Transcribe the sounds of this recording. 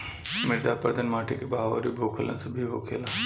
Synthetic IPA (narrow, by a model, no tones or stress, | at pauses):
mɪɾd̪aːpəɾd̪ənmaːʈʰikebaːɦʋo̰ːɾibʱoːkʰələ̰nsɐbʱiɦoːkʰeːlaː